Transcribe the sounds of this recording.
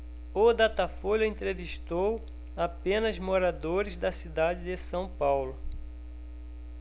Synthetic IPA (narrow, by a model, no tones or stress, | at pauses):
od̪at̪afoʎɐẽnt̪ɾeviʃt̪ow | apẽnɐzmoɾad̪oɾɪzd̪ɐsid̪ad͡ʒɪd̪ɪsɐ̃w̃pawlʊ